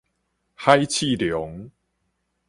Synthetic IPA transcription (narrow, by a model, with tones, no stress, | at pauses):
ha˦jt͡ɕʰi˥˧˨ljo˨˦ŋ